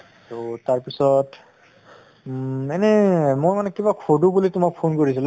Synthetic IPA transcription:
totaɹpisɔt | ɛnɛmoɹmanɛkibakʰodubulitʊmak̚pʰonkoɹisil

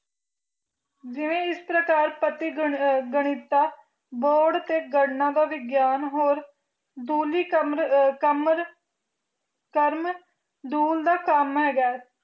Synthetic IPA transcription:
d͡ʒɪʋẽːɪspɾəkaːɾpət̪iːɡəɽ̃iːt̪aː | boːɽt̪eːɡəɽnãːd̪aːʋɪɡjaːnɦoːɾ | d̪uːliːmkəmɾ | kəɾm | d̪uːld̪aːkəmɦɛːɡaː

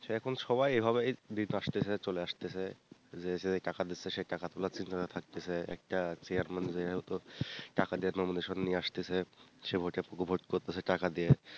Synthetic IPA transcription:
ɛkʰonʃɔβajejbʱaβed̪inaʃt̪et͡ɕʰet͡ɕoleaʃt̪et͡ɕʰed͡ʑeseeʈakad̪itːsʰeʃeʈakat̪olat͡ɕint̪ʰakat̪ʰak̚t̪et͡ɕʰeɛ̰k̚ʈat͡ɕeaɾmand͡ʑeot̪oʈakad̪ijaɾnomod̪eʃonːijeaʃt̪et͡ɕʰeʃebʱoʈepokobʱoʈkoɾt̪et͡ɕʰeʈakad̪ije

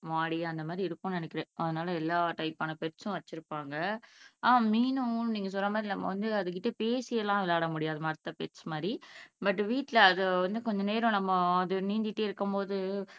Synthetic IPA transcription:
maːɽɪjaɐnd̪ɐmaːd̪ɾiɪɾɯpːõnɐnɛkːɪɾɛ̃ʔɐðɯnaːlɐɛlːaːʈɐɪpaːnɐpɛɾt͡ʃʊ̃ʋɐt͡ʃːɪɾɯpːaːŋɡɐaːmiːnʊ̃niːŋɡɐs̬ɔlːɐmaːd̪ɾinɐmːɐ̰ʋɐnd̪ɯɐðɯk̬ɪʈːɐpeːsɪjɐlãːʋɪlaːɽɐmʊɽɪjaːðɯmɐɾɯt̪ːɐpɛɾsmaːd̪ɾibɐʈːʋiːʈːɪlɐːðɯʋɐnd̪ɯkɔɲd͡ʒɐneːɾõnɐmːɐːðɯniːnd̪ɪʈːeːɪɾɯkːɯmpoːðɯ

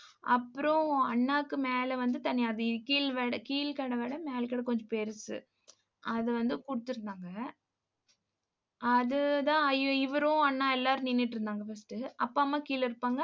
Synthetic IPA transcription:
ɐpːɯɾõɐɳːaːkːɯmeːlɐʋɐnd̪ɯt̪ɐnːɪjaːðɯkiːlʋeːɽɐkiːlkɐɽɐʋeːɽɐ̃meːlkɐːɽɐkɔɲd͡ʒõpeɾɯsɯ̰ | ʔɐðɯʋɐnd̪ɯkʊɽɯt̪ːɯɾɯnd̪aːŋɡɐ | ʔɐðɯðãːɐjɪʋɐɾõɐɳːaːɛlːaːɾɯninːɪʈːɪɾɯnd̪aːŋɡɐfɐsʈɯɐpːaːmːaːkiːlɪɾɯpːaːŋɡɐ

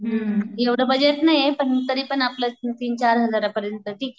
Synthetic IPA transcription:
eʋɽɐbɐd͡ʒeʈnɐjepɐnt̪ɐɾiːpɐnaplɐsnt̪iːnt͡ʃaːɾɦɐd̪ɐɾɐpɐɾjɐnt̪ɐʈiːke

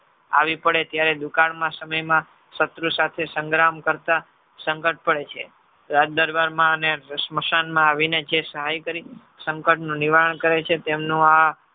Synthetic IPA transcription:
a̰ʋipəɽet̪jaɾed̪ukãɳmãsəməjmã | sət̪ɾusat̪ʰesəŋɡɾamkəɾt̪a | səŋkəʈ̚pəɽet͡ʃʰḛ | ɾat̪̚d̪əɾbaɾmãəneɾəsməʃanmãːʋined͡ʒesəɦajkəɾi | səŋkəʈnũniʋaɾəɳkəɾet͡ʃʰet̪emnũa

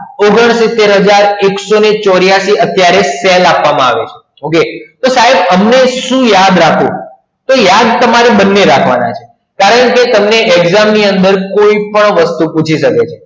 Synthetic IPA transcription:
oɡəɳ̃sɪt̪ːeɾɦəd͡ʒaɾeksonet͡ʃɔɾjaʃiət̪jaɾeselapʋamãa̰ʋet͡ʃʰe | oket̪osaɦebəmneʃũjad̪ɾakʰũ | t̪ojad̪̚t̪əmaɾebənːeɾakʰʋa̰na̰t͡ʃʰe̥ | kaɾəɳket̪əmneʔeɡzamniənd̪əɾkoipəɳʋəst̪uput͡ʃʰiʃəket͡ʃʰe

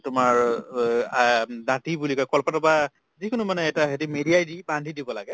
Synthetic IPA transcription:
tʊmaɹ | natibulikɔjkɔlpɔtaba | zikʊnumanɛːtaɦetimediajdibandʱidibɔlaɡɛ

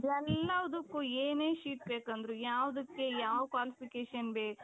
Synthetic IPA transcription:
d̪ɛlːɐɔd̪ukːueːneːʃiːʈ̚beːkɐnd̪ɾujaːʋd̪ɐkːe̞jaːʋkʋaːlipikeːʃɐnbeː

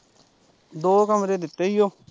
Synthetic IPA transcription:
d̪oːkəmɾeːd̪ɪt̪ːeːijoː

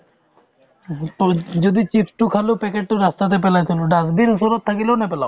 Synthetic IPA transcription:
t̪od͡ʑod̪it͡ɕit̪sʈukʰalopɛkeʈ̚ʈoɾast̪at̪ep̬elat͡ɕʰiloɖakd̪inuʃolat̪t̪ʰakelonep̬ela

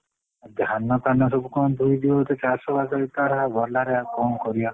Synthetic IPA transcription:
d̪ʱanɔk̪anɔs̬ɔbukɔw̃t̪ʰuid̪ibɔt̪et͡ʃasɔbad͡ʒaɾit̪aɾabɔɾlaɾeakɔmkɔɾia

